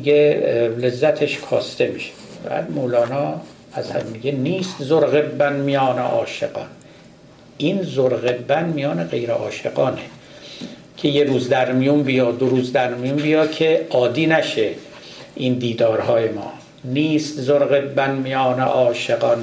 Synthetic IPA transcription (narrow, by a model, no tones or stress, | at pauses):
iɡelezːæt̪ʰeʃkʰɒ̰ːst̪e̞miʃe̥bæ̰ːd̪moːlɒːnɒː | æzhæ̰mːiɡeniːst̪zoɾɣebːænmijɒːnḛʔɒːʃḛɡɒ̰ːn | ʔiːnzoɾɣebːænmijɒːneɣe̞jɾeʔɒːʃeɡɒːne | cʰe̞jeɾuːzd̪æɾmijumbijɒːd̪oɾuːzd̪æɾmijumbijɒːkʰeɒːd̪iːnæʃe | ʔind̪iːd̪ɒːɾhɒːje̞mɒ̰ː | niːst̪zoɾɣebːænmijɒːnḛʔɒːʃeɡɒːn